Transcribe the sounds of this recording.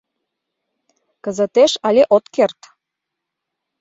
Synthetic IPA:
kə̆zə̆t̪eʃɑlʲeʔot̪kert̪

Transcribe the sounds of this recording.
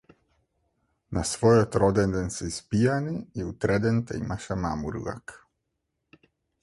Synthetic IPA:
nasvɔjot̪ɾod̪ɛnd̪ɛnsɛispijaniiut̪ɾɛd̪ɛnt̪ɛimaʃɛmamuɾṵa̰k

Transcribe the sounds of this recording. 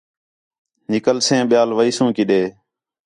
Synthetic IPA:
nɪkəlsẽːɓɪjaːlʋəiːsũːkɪɗeː

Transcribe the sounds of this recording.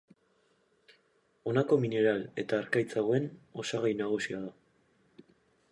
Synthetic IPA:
o̞nako̞mine̞ɾale̞t̪aːɾkajt͡saɣoe̞no̞saɣ̞ajnaɣ̞usiaða

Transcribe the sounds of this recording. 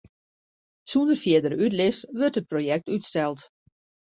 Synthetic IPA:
sundərfjɪədəɾytlɪsʋɵrtɦət̚projɛk̚tytstɛlˠt

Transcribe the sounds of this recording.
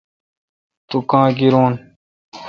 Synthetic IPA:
t̪ukãːɡiɾoːn

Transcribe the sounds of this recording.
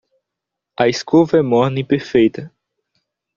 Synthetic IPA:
ɐɪskovɐɛmɔɾnĩpeɾfejt̪ɐ

